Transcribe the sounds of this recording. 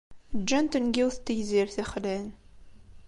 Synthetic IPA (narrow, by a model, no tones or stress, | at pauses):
d͡ʒːænt̪ənɡiwθt̪ːəjziɾθiχlæn